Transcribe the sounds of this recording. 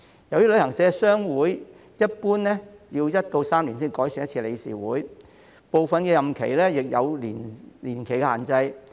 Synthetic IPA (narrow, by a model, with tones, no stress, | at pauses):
jɐ˨˧wt̪iː˥lɵ˨˧ɥhɐ˨˩ŋsɛː˨˧sœː˥ŋwuː˨˥j | jɐ˥t̚puː˥nlɛː˥ji˧wjɐ˥t̚t̪o˧wsaː˥mli˨˩ns̬iː˥nkɔː˨˥jsy˨njɐ˥tt͡sʰiː˧le˨˧jsḭː˨˩wuː˨˥j | po˨wfɐ˨nkɛː˧jɐ˨mkʰḛ˨˩jlɛː˥jɪ˨k̚jɐ̰˨˧wliː˨˩nliː˨˩nkʰe˨˩jkɛ˧aː˨˩nt͡sɐ˧j